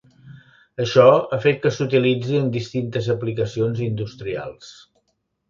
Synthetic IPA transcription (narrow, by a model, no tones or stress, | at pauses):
əʃɔəfet̪̚kəsut̪ilid͡ziənd̪ist̪int̪əzəplikəsionzind̪ust̪ɾia̰lˠs